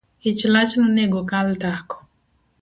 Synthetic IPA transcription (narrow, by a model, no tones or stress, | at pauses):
ɪt͡ʃlat͡ʃnɔneɡokaltakɔ̥